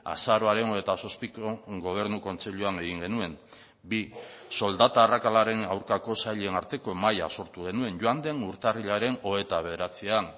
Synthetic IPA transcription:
a̰saɾo̞aɾe̞no̞e̞t̪aso̞spikoɡo̞β̞e̞ɾnuko̞nt͡seʎuane̞ɣiŋɡe̞nue̞m | biso̞ld̪at̪aːrakalaɾe̞nawɾkako̞saʎenaɾt̪e̞ko̞maja̰so̞ɾt̪uɣ̞e̞nue̞nʝoand̪e̞nuɾt̪ariʎaɾe̞no̞e̞t̪aβe̞ð̞eɾat͡sian

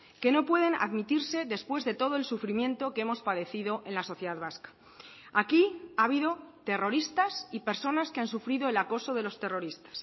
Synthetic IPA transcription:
ke̞no̞pwe̞ð̞e̞na̰ðmit̪iɾse̞ðe̞spwe̞zðe̞t̪o̞ð̞oe̞lsufɾimjẽ̞nt̪o̞keemo̞spaðe̞θiðo̞ʔe̞nlaso̞θje̞ðaðβaskḁ | akiaβ̞iðo̞t̪e̞ro̞ɾist̪asipe̞ɾso̞naskeansufɾiðo̞elako̞so̞ð̞e̞lo̞st̪e̞ro̞ɾist̪ḁs

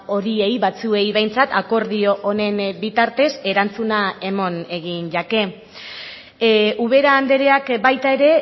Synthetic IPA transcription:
o̞ɾie̞jβat͡sue̞jβe̞jnt͡sat̪ako̞ɾðio̞ʔːne̞nbit̪aɾt̪e̞se̞ɾant͡sunae̞mo̞ne̞ɣinʎake̞ | ʔuβ̞e̞ɾaːnd̪e̞ɾe̞akbajt̪ae̞ɾe̞

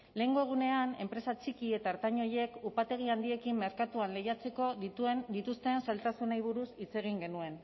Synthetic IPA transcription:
le̞ːŋɡo̞e̞ɣ̞une̞ane̞mpɾe̞sat͡ʃikie̞t̪aeɾt̪aɲo̞je̞kupat̪e̞ɣ̞iand̪ie̞kimːe̞ɾkat̪uanle̞jat͡se̞ko̞ðit̪ue̞nd̪it̪ust̪e̞nsalt̪asunajβ̞uɾusit͡se̞ɣ̞iŋɡe̞nue̞n

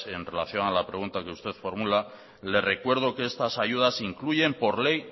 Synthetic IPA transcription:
e̞nre̞laθjo̞nalapɾe̞ɣunt̪akeust̪e̞θfo̞ɾmula | le̞re̞kwe̞ɾð̞o̞keest̪asaʝuðasiŋkluʝe̞mpo̞ɾle̞j

